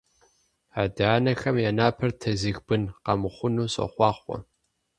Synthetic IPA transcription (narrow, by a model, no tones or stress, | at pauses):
aːdaːnɐxɐmjaːnaːpʰɐrtʰɐzɨɣbɨnqɑmɨχʷʊnuːɕʼɐ̰χʷɑːχʷɔ̰